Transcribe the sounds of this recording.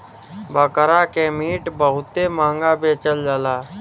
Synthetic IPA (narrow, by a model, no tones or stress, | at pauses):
bəkəɾaːkemiːʈbəɦʊt̪ːemãːŋɡabeːt͡ʃəld͡ʒəːlaː